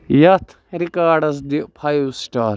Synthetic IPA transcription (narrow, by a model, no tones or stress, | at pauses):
jɐt̪ʰ | ɾikaːɖɐs̬d̪ipʰɐjusʈaːɾ